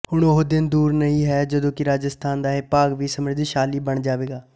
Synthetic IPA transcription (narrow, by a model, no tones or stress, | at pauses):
hʊɳoɦd̪ɪnd̪uːɾnəĩːɦɛːd͡ʒəd̪õːkɪɾaːd͡ʒəst̪ʰaːnd̪aːɦepaːɡʋiːsəmɾɪd̪ʃaːliːbəɳd͡ʒaːʋeːɡaː